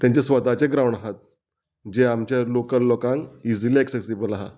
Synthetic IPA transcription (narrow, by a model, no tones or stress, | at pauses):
t̪jaɲt͡ɕesʋət̪at͡ɕeɡɾawɳaɦat̪̚ | d͡ʑeamt͡ɕjalokəlːokãŋkid͡ziliɛksesibəlaɦa̰